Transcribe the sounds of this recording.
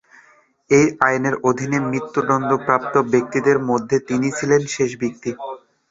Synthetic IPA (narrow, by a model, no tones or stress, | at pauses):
ejajneɾod̪ʱinemɾit̪ːud̪ɔnd̪opɾap̚t̪obek̚t̪id̪eɾmod̪ʱːet̪init͡ɕʰilenʃeʃbik̚t̪i